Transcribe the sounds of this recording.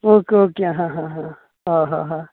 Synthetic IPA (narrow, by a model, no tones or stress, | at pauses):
okokãɦãɦãɦã | ɦaɦã̰ɦã